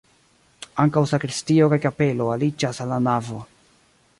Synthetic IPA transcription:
aŋkawsakɾistio̞kajkape̞lo̞alid͡ʒasalːanavo̞

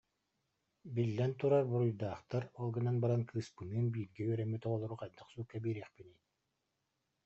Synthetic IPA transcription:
bilːɛnt̪uɾaɾbuɾujd̪aːχt̪aɾɔlˠɡɯnanbaɾankʰɯːspɯnɯːnbiːɾɡɛyœɾɛmyt̪ɔʁɔlˠɔɾuqajd̪ɯχsuːkːabiːɾɛːχpiniː

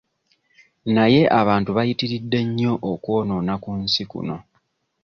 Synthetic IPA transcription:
naje̞ʔaβaːntuβajitiɾidːe̞ɲːo̞ʔokwo̞ːno̞ːnakunsikṵno̞

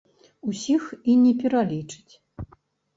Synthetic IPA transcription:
usʲixinʲɛpʲɛɾalʲit͡ʂɨ̥t͡sʲ

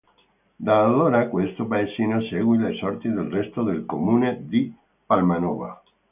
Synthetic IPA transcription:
d̪aːðoɾakwest̪opaesinaseɣwilesɔɾt̪iðelrest̪oðelkomuned̪i | palmanɔβa̰

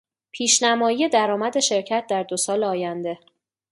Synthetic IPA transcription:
pʰiːʃnæmɒːjije̞d̪æɾɒːmæd̪e̞ʃe̞ɾcʰæt̪̚ʰd̪æɾd̪osɒːleɒːjænd̪e̞

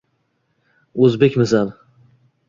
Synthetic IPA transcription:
ɵzbekʲmɪsan

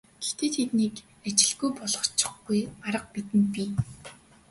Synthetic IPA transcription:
ɡ̥ext̪eːt̪ʰet̪nik | at͡ɕɪ̆ɮɣujpɔɮɞ̆χt͡ɕɪ̥̆χɡujaɾə̆q̚pit̪ɘ̆npiː

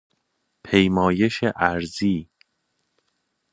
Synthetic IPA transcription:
pʰejmɒːje̞ʃeʔæɾziː

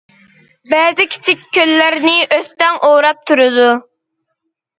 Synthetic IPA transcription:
bɛːzɪkʲʰi̥t͡ʃʰikʲʰːølːæɾnɪʔøst̪ɛŋʔoːɾɑp̚t̪ʰuɾɨd̪u

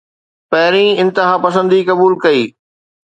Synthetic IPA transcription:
pɐɦɪɾĩɪ̃nt̪ɪɦapɐs̬ə̃nd̪ikɐbuːlkɐiː

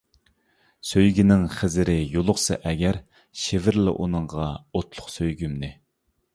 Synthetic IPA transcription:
søjɡʲinɪŋχɪzɪɾɪjolˠʊχsɑ̰ʔɛɡʲæɾ | ʃevɪɾlɪ̰ʔunɨŋʁɑot̪lˠʊχsøjɡʲymnɪ

